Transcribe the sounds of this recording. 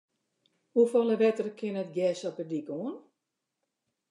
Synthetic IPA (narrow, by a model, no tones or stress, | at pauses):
hufɔləʋɛtərkʰɪnətɡjɛsɔpədikoən